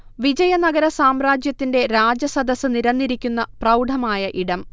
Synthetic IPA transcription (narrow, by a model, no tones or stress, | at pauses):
ʋid͡ʑɐjɐnɐɡɐɾɐsaːmraːd͡ʑjɐt̪ːinde̞ɾaːd͡ʑɐsɐd̪ɐsɨniɾɐnːiɾikʲːunːɐprɐwɖʱɐmaːjɐʔiɽɐm